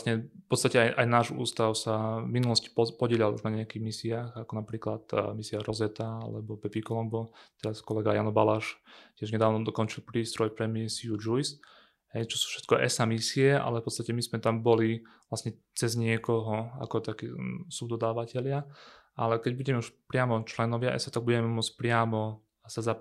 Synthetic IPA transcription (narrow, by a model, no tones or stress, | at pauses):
sɲɛpɔt̪t͡st̪acɛajʔajnaːʒṵːst̪aʊsaminulɔsci̥pɔɟɪɛlalṵʒnaɲɛjakiɣmisiaːxakɔnapɾiːklat̪misiaɾɔzɛt̪aa̰lɛ̰bɔpɛpikɔlɔŋɡɔt̪ɛɾaskɔlɛɡajanɔbalaʃcɪɛʒɲɛd̪aːʋnɔd̪ɔkɔnt͡ʃilpɾiːst̪ɾɔjpɾɛmisiud͡ʒujs | ɦɛjt͡ʃɔsu̥ːfʃɛ̥t̪̚kɔʔɛ̰samisiɛʔa̰lɛfpɔt̪t͡st̪acɛmizmɛt̪ambɔliʋlasɲɛ | t͡sɛzɲɪɛkɔɦɔa̰kɔt̪akiːsubd̪ɔd̪aːʋacɛlɪa | ʔalɛkɛɟbuɟɛmɛuʃpɾɪamɔt͡ʃlɛnɔʋɪaʔɛ̰sat̪aɡ̚buɟɛmɛmɔt͡spɾɪamɔ | saza